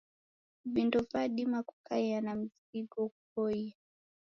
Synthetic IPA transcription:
ɓindɔvaɗimaku̥kaanam̩z | iɡɔk̚ubɔia

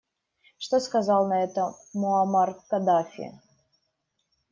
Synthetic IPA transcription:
ʂt̪oskɐzalˠnɐɛt̪əmɔamarkɐd̪afʲɪ̰

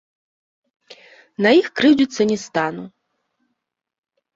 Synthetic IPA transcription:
nɐjixkɾɨwd͡zʲusʲːɐnʲist̪anu

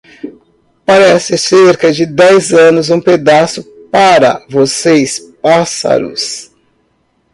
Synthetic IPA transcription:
paɾɛsɪseɾkɐd͡ʒɪd̪ɛjzɐ̃nʊzũped̪asʊpaɾɐ̰vosejspasɐ̰ɾʊ̰s

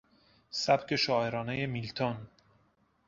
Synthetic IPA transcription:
sæb̥cʰe̞ʃɒːeɾɒːneje̞milt̪ʰon

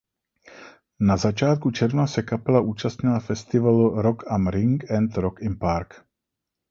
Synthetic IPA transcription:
nazat͡ʃaːt̪̚kut͡ʃɛɾvnasɛkapɛlaʔuːt͡ʃast̪ɲɪlafɛst̪ɪvaluɾokamɾɪŋkɛnt̪ɾokɪmpaɾk

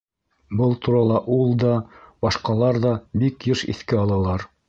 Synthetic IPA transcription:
bɤlˠt̪uɾɑlˠɑʔulˠd̪ɑbɑʃqɑlˠɑɾðɑbikjɘʃḭθkɘɑlˠɑlˠɑɾ

